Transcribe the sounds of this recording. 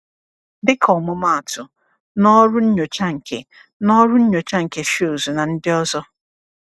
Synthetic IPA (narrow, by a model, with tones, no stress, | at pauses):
bɪ˦kʰɔ˨mʊ˦ma˦˨a˨tʊ˨ | nɔ˦ɾʊ˦n̩˦ɲo˨t͡ʃa˦ŋ̩˨kʰe˦ | nɔ˦ɾʊ˦n̩˦ɲo˨t͡ʃa˦ŋ̩˨ke˨ʃi˦o˨zu˨na˨n̩˦dɪ˦ɔ˦zɔ˦